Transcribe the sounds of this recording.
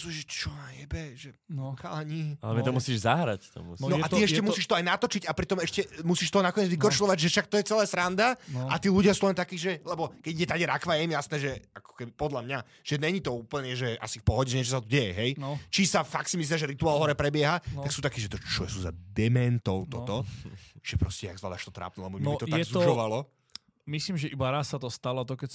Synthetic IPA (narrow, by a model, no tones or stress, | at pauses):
suːʒɛt͡ʃɔnajɛbɛʒɛka̰laɲialɛmɛt̪ɔmusiːʒzaɦɾa̰ct̪ɔ̰mṵsnɔʔat̪iɛʃcɛmusiːʃt̪ɔajnat̪ɔt͡ʃicapɾit̪ɔmɛʃcɛmusiːʃt̪ɔnakɔɲɛd͡zʋikɾɔt͡ʃlɔʋaɟʒɛfʃak̚t̪ɔjɛt͡sɛlɛːsɾand̪aʔat̪iːluɟɪasuːlɛnt̪akiːʒɛlɛbɔkɛɟiɟɛt̪aɟɛɾakʋajɛmjasnɛːʒɛakɔ̥kɛbipɔd̪lamɲa | ʒ̥ɛɲɛɲit̪ɔuːpl̩ɲɛʒɛʔa̰sifpɔɦɔɟɛʒɛɲɛt͡ʃɔs̬at̪ɔɟɛjɛɦɛjnt͡ʃisafak̚t̪simis̬liaʒɛɾit̪uaːlˠɦɔɾɛpɾɛbɪɛɦaaksuːt̪akiːʒɛt̪ɔt͡ʃɔjɛsuːza̰d̪ɛmɛnt̪ɔʊt̪ɔ̰t̪ɔʒ̥ɛpɾɔscɛja̰ɡzʋa̰d̪aʃt̪ɔt̪ɾa̰ːp̚nulɛbɔmɔit̪ɔj̪aɛzɔʃɔʋalɔ | misliːmʒɛʔibaɾasːat̪ɔst̪alɔt̪ɔkɛ